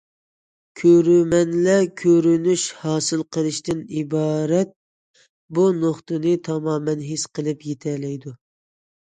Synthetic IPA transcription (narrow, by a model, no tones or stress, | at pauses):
kʲʰøɾymɛnlɛkʲʰøɾynyʃhɑːsɨlˠqʰəlˠɨʃt̪ɨnibɑːɾɛt̪̚ | bunoχt̪ɨnɨt̪ʰɑmɑːmɛnɦesqʰəlˠɨpjet̪ʰɛlɛjd̪u